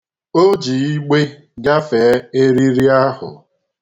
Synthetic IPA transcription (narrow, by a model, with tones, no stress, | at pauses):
o˦d͡ʒi˨i˦ɡ͡be˦ | ɡa˦fe˨˦e˦ɾi˦ɾi˦a˦ɦʊ̰˨